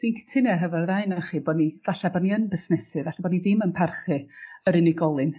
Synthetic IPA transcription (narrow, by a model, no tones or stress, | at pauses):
d̥inkʰtʰɪnɛɦəvɛrðaɨnaχiːbɔdnivaɬabɔdniənbɪsnɛsɨvaɬabɔdniðɪmənpʰarχɨəɾɪnɪɡɔlˠɨn